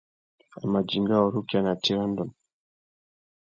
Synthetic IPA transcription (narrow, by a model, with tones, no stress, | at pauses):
a̰˨ma˨d͡ʒi˨ŋɡa˦ɔ˨ɾu˦ka˨na˨ti˦ɾɔ˦ndɔ˨n